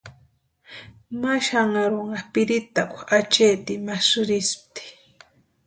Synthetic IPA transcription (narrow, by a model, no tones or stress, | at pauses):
maʃaŋaɾoŋɢapɪɾɪt̪akʷat͡ʃejt̪imasʊɾɪsp̚t̪i̥